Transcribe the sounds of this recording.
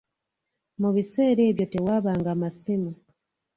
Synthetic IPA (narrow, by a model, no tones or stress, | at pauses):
muβise̞ːɾe̞ːβjo̞te̞waːβaːŋɡamasimo